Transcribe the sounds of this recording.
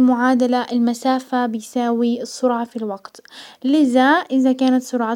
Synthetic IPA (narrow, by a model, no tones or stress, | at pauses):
mʊʕaːd̪alaʔɪlmasaːfabɪjsaːwiɨsˤːʊɾʕafilwaɡt̪lɪðaʔɪðakaːnat̪sʊɾʕa